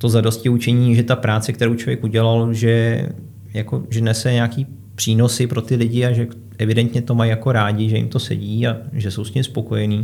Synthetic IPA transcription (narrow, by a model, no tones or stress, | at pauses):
t̪o̞zado̞scɪut͡ʃɛɲiːʒɛt̪apɾaːt͡sɛk̚t̪ɛɾowt͡ʃovjɛkʔuɟɛlalʒɛ | jako̞ʒɛnɛsɛɲakiː | pr̥iːno̞sɪpɾo̞t̪ɪlɪɟɪaʒɛ | ʔɛvɪdɛnt̪ɲɛt̪o̞majjako̞ɾaːɟɪʒɛjɪ̰mt̪o̞sɛ̰ɟiːaʒɛsowsɲɪmspo̞ko̞jɛniː